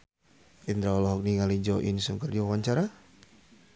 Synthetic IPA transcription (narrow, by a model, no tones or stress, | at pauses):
ʔind̪ɾaɔlɔɦɔk̚niŋalid͡ʒɔʔḭnsuŋkərdiwawaɲt͡ʃaɾa